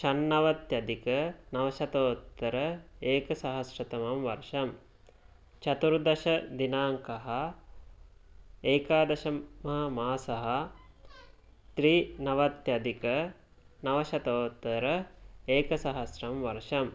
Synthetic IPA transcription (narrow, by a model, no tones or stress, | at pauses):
ʃɐnːɐʋɐt̪jɐd̪ikənɐʋɐʃɐt̪oːt̪ːɐɾɐeːkɐsaɦɐsɾɐt̪ɐmɐmʋɐɾʂɐm | t͡ʃɐt̪uɾd̪ɐʃɐd̪inaːŋkɐɦɐ | eːkaːd̪ɐʃɐmɐɦɐmaːsɐɦɐ | t̪ɾiːnɐʋɐt̪jɐd̪ikɐ | nɐʋɐʃɐt̪oːt̪ːɐɾəeːkɐsaɦɐsrɐmʋɐɾʂɐm